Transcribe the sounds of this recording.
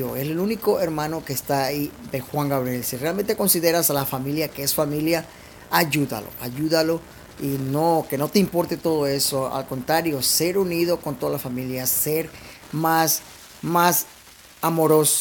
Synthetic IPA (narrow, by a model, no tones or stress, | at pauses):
oeselunikoeɾmãno̞keːst̪aiðe̞xwaŋɡaβɾjelsirealment̪eko̞nsiðe̞ɾasalafamiljakeesfamiljaː | ʝuða̰lo̰ʔaʝuðalo̞ | inoke̞no̞t̪eimpo̞ɾt̪e̞t̪o̞ðoe̞soa̰lko̞nt̪ɾaɾjo̞se̞ɾuniðo̞kont̪o̞ðalafamiljaseɾ | mas | mas | amo̞ɾos